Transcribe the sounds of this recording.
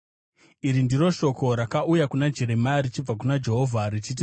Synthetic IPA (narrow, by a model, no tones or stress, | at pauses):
iɾindiro̞ʃo̞ko̞ɾakaʔujakunad͡ʒe̞ɾe̞marit͡ʃib͡vakunad͡ʒe̞ɦo̞vʱarit͡ʃit̬i